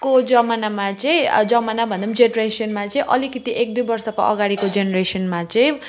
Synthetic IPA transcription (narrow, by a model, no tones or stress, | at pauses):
kod͡zʌmanamat͡sʌĩd͡zʌmanabʱʌnd̪ʌmd͡zenresʌnmat͡sʌĩʔʌlikit̪iʔek̚d̪ujbʌrsʌkoʔʌ̰ɡaɽikod͡zenresʌnmat͡sʌĩ